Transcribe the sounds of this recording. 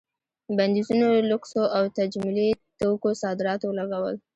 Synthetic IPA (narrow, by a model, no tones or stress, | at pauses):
band̪izunolʊksoawt̪ad͡ʒmʊlit̪okosɑd̪ɪɾɑt̪owəlaɡawə̰l